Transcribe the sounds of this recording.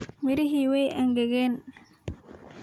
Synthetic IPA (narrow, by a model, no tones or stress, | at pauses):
mɪɾɪɦiːwɛjʔɐŋɡɛɣɛːn